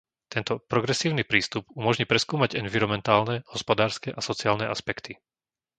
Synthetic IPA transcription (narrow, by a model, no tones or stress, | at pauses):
t̪ɛnt̪ɔpɾɔɡɾɛsiːʊnipɾiːst̪upumɔʒɲipɾɛskuːmaɟɛnviɾɔmɛnt̪aːlnɛhɔspɔd̪aːɾskɛʔasɔt͡siaːlnɛʔa̰spɛkt̪i